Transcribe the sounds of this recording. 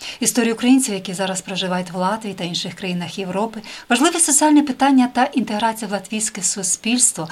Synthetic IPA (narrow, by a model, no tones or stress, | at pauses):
ist̪ɔɾʲijʊːkɾɐjinʲt͡sʲiwjɐkʲizɑɾɐspɾɔʒɪʋɑjʊtʲʋlˠɑt̪ʋʲiːt̪ɐinʃɪxkɾɐjinɐxje̞ʋɾɔpɪʋɐʒlˠɪʋɛsɔt͡sʲiɑlʲnɛpɪt̪ɑnʲːɐt̪ɐʔint̪eɦɾɑt͡sʲijɐwlˠɐt̪ʋʲijsʲkɛsʊsʲpʲilʲst̪ʋɔ